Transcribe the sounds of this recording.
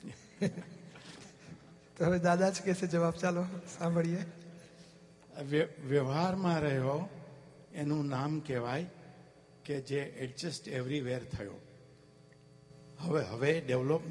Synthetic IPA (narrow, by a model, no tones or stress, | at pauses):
t̪oɦəʋed̪ad̪ad͡ʒkesed͡ʒəʋabt͡ʃalosãmbʱɭije | ʋʋjəʋɦaɾmãɾəɦjo | enũnamkeʋaj | ked͡ʒeʔɛʈd͡ʒəsʈeʋɾiʋeɾt̪ʰəjo̰ː | ɦəʋeɦəʋeɖeʋlop